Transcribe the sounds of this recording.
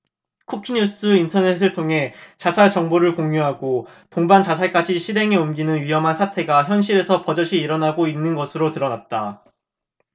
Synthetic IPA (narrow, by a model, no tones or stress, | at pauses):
kʰukʰiɲus͈ɯintʰʌne̞sʰɯɭtʰoŋɦe̞t͡ɕasʰaɭt͡ɕʌŋboɾɯɭkoŋɲjuɦaɡo | toŋbant͡ɕasʰak͈ad͡ʑiɕʰiɾe̞ŋiomɡinɯnɥiɦʌmɦansʰatʰe̞ɡaçjʌnɕʰiɾe̞sʰʌpʌd͡ʑʌɕʰiːɾʌnaɡoinːɯnɡʌsʰɯɾotɯɾʌnat̚t͈a